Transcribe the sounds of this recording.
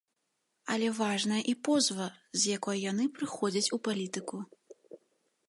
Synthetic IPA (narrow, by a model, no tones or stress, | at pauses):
ɐlʲɛvaʐnɐjɐʔipɔzvɐzʲjakɔjjanɨpɾɨxɔd͡zʲɐt͡sʲupalʲit̪ɨku